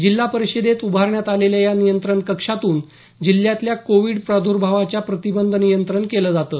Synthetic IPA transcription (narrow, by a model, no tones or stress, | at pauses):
d͡ʑilːapəɾiɕed̪ʱet̪ubʱaɾɳjat̪aleljajanijənt̪ɾəɳkəkʂat̪uːn | d͡ʑilːjat̪ljakoʋiɽpɾad̪ʱuɾbʱaʋat͡ɕjapɾət̪ibənd̪ʱənijənt̪ɾəɳkeləːd͡zat̪ə